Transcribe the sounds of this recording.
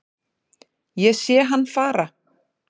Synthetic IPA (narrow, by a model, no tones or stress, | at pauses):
jɛsjɛːɦanːfaːɾa